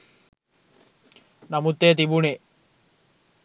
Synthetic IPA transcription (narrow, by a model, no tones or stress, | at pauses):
nɐmut̪ːeːt̪̬ibune